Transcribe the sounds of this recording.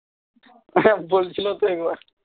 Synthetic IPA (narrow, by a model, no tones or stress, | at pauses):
bolt͡ɕʰilot̪oeɡba